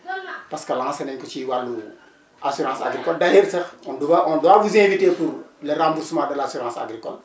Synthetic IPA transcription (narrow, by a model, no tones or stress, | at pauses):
pɐskɐlãːsɐnɛɲkut͡ʃiwalːu | asuɾãːsa̰ɡɾikɔldɐhiɾsɐxɔnduwaʔɔnduwabuzẽːviteːpuɾlɐɾãːmbuɾsumaːdɐlasuɾãːsa̰ɡɾikɔ̰l